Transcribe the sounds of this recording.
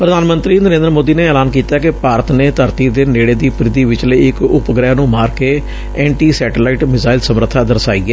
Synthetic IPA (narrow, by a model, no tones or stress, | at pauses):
pɾəd̪ʱaːnmə̃nt̪ɾiːnəɾẽːnd̪əɾmoːd̪iːneːɛːlaːnkiːt̪aːkɪpaːɾət̪neːt̪əɾt̪iːd̪eːneːɽeːd̪iːpɾɪd̪iːʋɪt͡ʃləiɪkʊpɡɾɛːnũːmaːɾkeː | ɛːɳʈiːsɛːʈelaːɪʈmɪzaːɪlsəmɾət̪ʰːaːd̪əɾsaːiːɛ